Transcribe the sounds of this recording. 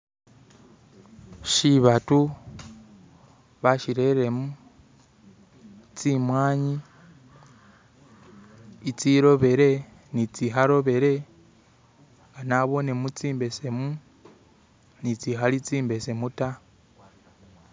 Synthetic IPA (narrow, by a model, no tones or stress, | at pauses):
ʃiβatu | βaʃiɾe̞ɾe̞mu | t͡simwaːɲi | it͡siɾo̞βe̞ɾe̞ | nit͡siɦaɾo̞βe̞ɾe̞ | ŋɡanaβo̞ne̞mut͡siːmbe̞se̞mu | nit͡siɦalit͡siːmbe̞se̞muta